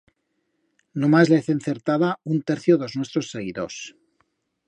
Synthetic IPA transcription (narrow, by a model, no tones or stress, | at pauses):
numazleeθenθe̞ɾt̪aðaunt̪eɾθjoðoznwe̞st̪ɾo̞sːe̞ɣiðo̞̰s